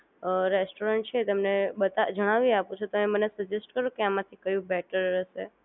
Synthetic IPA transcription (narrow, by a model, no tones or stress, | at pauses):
ɾesʈoɾəɳʈ̚t͡ʃʰeːt̪əmnebət̪ad͡ʒəɽ̃aʋiapũt͡ʃʰet̪oẽmənesəd͡ʒesʈkəɾũkeamãt̪ʰikəjũbɛʈəɾːəʃe